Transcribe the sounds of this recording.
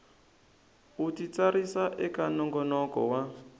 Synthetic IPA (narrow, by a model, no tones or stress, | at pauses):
utit͡saɾisaʔɛkanɔŋɡɔnɔkɔ̰wa